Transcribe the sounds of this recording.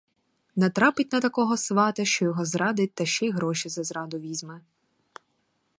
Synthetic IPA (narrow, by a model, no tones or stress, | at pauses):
nɐt̪ɾɑpɪtʲnɐt̪ɐkɔɦɔsʋɑt̪ɐʃt͡ʃɔjɔɦɔzɾɑd̪ɪt̚ʲt̪ɐʃt͡ʃɛjɦɾɔʃizɐzɾɑd̪ʊʋʲizʲmɛ